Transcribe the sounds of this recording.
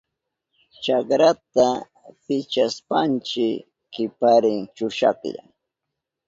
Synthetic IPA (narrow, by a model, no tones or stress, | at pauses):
t͡ʃakɾat̪a | pɪt͡ʃaspant͡ʃɪ | kɪpaɾɪŋt͡ʃʊʃa̰kʎa̰ŋ